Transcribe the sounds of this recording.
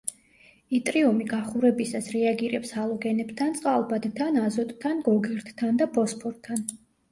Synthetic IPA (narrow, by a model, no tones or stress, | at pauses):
it̪ʼɾiumiɡaχuɾɛbisasɾɛaɡiɾɛpsalˠɔɡɛnɛbt̪ʰant̪sʼqʼalˠbad̪t̪ʰanazɔt̪ʼt̪ʰːanɡɔɡɛɾt̪ʰt̪ʰːand̪apʰɔspʰɔɾt̪ʰːan